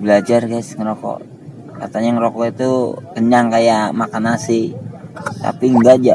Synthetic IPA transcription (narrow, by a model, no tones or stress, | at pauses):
bəlad͡ʒarkasŋəɾɔkɔ̰ʔ | ka̰t̪aɲaŋɾɔkɔit̪ukəɲaŋkajaʔmakanasi | t̪a̰piŋɡad͡ʒa